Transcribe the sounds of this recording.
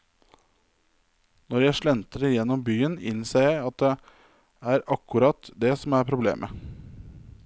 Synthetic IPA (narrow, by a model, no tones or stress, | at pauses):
nɔɾjæɪʂɭɛnt̪əɾəjɛnːɔmbyːənɪ̰nseːɾjæɪɑt̪̚d̪ɛ | æːɾɑkːʉɾɑt̪d̪ɛsɔmæɾpʰɾʊblḛːmʔə